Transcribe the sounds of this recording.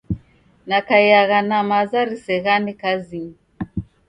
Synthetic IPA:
nakajaɣanamazaɾisɛɣanikaziŋ

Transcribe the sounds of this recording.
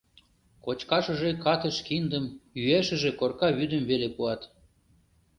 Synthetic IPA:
kot͡ɕkɑʃə̆ʒekɑt̪əʃkind̪əmyeʃə̆ʒekorkɑβyd̪əmβelepuɑt̪

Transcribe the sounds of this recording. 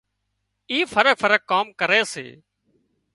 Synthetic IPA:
iːfəɾək̚fəɾəkːaːmkəɾeːsḛː

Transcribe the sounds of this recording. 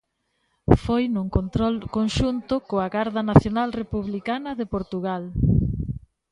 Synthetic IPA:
fojnuŋkont̪ɾɔlkonʃunt̪ʊkoɐɣaɾðɐnaθjonalrepuβlikanɐðepoɾt̪uɣal

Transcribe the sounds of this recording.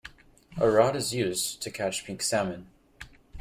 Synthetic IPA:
ʔəɹɑɾɨzjʉztʰɨkʰæt͡ʃpʰɪ̃ŋksæmɨ̃n

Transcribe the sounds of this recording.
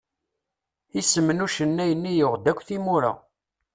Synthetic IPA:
isəmːənuʃənːæjənːijʊʁd̪ækʷːθimuɾa̰

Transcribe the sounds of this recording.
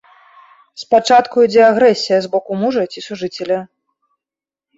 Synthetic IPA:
spat͡ʂat̪kuid͡zʲɛaɣɾɛsʲijɐzbɔkumuʐɐt͡sʲisuʐɨt͡sʲelʲɐ

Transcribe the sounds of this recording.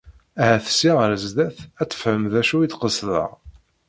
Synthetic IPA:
æhæθə̥sːiʁəɾəzd̪æθæt͡sːə̥fhəmðæʃuid̪qəsðə̰ʁ

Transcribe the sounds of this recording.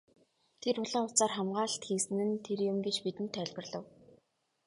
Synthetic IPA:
t̪ʰeɾʊɮə̆ŋʊt͡saːrχamɢaːɮt̪xiːsɘ̆nɘ̆nt̪ʰeɾjʊmɡet͡ɕpit̪ɘ̆nt̪ʰːæɮʲpə̆rɮə̆w

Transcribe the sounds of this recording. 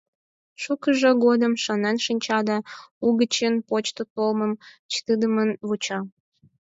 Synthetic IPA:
ʃukəʒəɡod̪əmʃənænʃinʲt͡ɕɑd̪ɑuɣət͡ɕenpot͡ɕt̪ot̪olməmt͡ɕt̪ɨd̪əmənβut͡ɕɑ

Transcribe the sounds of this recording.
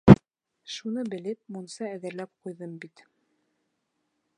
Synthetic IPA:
ʃunɤbɘ̆lɘp̚munsɑæðɘ̆ɾlæp̚qujðɤmbit̪

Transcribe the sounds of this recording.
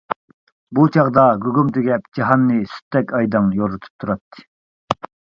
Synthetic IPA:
but͡ʃʰɑʁd̪ɑɡʲyɡʲumd̪ɪɡʲɛpd͡ʒɑɦɑnːɨsy̥t̪ːɛkʲɑjd̪ɑŋjoɾut̪ʰu̥p̚t̪ʰuɾɑt̪ʰːɨ̥

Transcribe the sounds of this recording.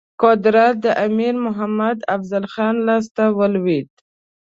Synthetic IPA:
kɑd̪ɪɾat̪̚d̪əʔamiɾmʊɦamad̪afzalxɑnlɑs̬t̪awəlwid̪

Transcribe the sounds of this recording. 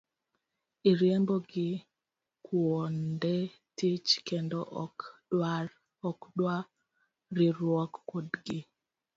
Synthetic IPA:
iɾjɛmboɡɪ | kwɔndɛ | tit͡ʃkendɔʔɔkd̥waɾ | ɔkdwa | ɾɪɾwɔkːodɡɪ

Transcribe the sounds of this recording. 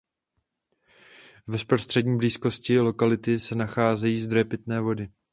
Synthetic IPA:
vɛspɾo̞st̪r̥ɛdɲiːbliːsko̞scɪlo̞kalɪt̪ɪsɛnaxaːzɛjiːzd̪ɾojɛpɪt̪nɛːvo̞dɪ

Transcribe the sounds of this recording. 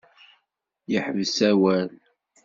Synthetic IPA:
jəħvsæwæl

